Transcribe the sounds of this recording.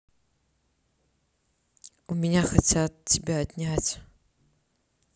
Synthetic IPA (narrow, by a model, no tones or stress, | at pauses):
umʲinʲaxɐt͡sʲʰat̪̚tʲːibʲaːt̪ʲnʲatʲ